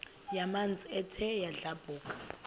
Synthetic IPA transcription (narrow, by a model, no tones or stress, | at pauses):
jamand͡zʱʼiɛtʰɛjaɮab̥ʱuːkʼḁ